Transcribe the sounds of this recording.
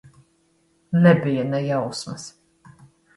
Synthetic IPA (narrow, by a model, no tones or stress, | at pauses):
nɛbiɛnɛjaɔsmas